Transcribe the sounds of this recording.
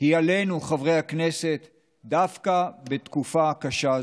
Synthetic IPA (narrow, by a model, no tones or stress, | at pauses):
hiale̞jnuχavʁe̞jhakne̞se̞t̪ | dafkabe̞t̪kufakaʃa